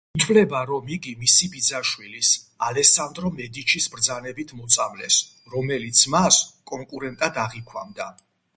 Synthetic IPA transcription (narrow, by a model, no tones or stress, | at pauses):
it̪ʰwlɛbaɾɔmiɡimisibid̪zaʃwilisalɛsand̪ɾɔmɛd̪it͡ʃʰisbɾd̪zanɛbit̪ʰmɔt̪sʰʼamlɛs | ɾɔmɛlit̪sʰmaskʼɔŋkʼuɾɛnt̪ʼad̪aʁikʰwa̰md̪a